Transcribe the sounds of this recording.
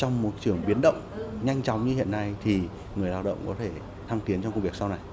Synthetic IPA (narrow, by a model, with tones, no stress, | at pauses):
t͡ɕɔ˧wŋ͡mmo˨˩t̚t͡ɕɨ˧˩əŋɓi˨˦ənɗə̰˧˨wŋ͡mɲa˧jŋ̟t͡ɕɔ˨˦wŋ͡mɲɨ˧hḭ˧˨ənːa˧jt̪ʰi˨˩ | ŋɨ˨˩əjlaː˧˩w̚ɗə̰˧˨wŋ͡mkɔ˨˦t̪ʰe˧˩ | t̪ʰa˧ŋt̪i˨˦ənt͡ɕɔ˧ŋ͡mku˧ŋ͡mvi˨˩ək̚sa˧wna˨˩j